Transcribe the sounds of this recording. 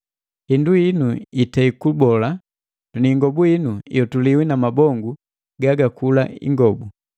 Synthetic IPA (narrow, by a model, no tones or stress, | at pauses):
hinduinuitaikubɔla | tuniŋɡɔbuinujɔtuliwinamabɔŋɡu | ɡaɡakulaḭŋɡɔbu